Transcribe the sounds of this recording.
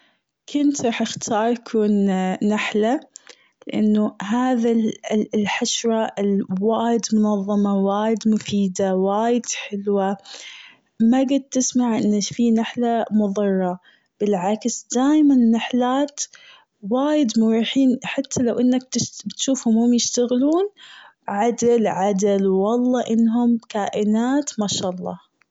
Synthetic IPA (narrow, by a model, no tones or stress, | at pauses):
kʰʊnt̪ɾˤɑːħʔɪxt̪ʰɑːɾˤakʰuːnːaħla | lɪʔa̰nːʊɦaːðalħaʃɾˤɑɪlwaːjɪd̪mʊnɑðˤːɑmɑwaːjɪd̪mʊfiːd̪awaːjɪd̪̥ħɪlwa | maɡad̪̚t̪ɪsmaʕʔɪnːafinaħlamʊðˤɨrˤːɑ | b̥ɪlʕaksd̪̥aːjmannːaħlaːt̪ | waːjɪd̪mʊɾuːħiːnħat̪ʰːalawʔɪnːak̪̚bɪt̪ʃuːfhʊmhʊmjɪʃt̪aɣluːn | ʕad̪ɪlʕad̪ɪlwwɑlˤːɑːʔɪnːɦʊmkaːʔɪnaːt̪maʃaːʔɑlˤːɑ̰ː